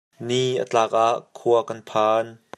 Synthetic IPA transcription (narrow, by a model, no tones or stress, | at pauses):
niʔə̰t͡ɬaːk̚ʔaʔkʰuɐkanpʰaːn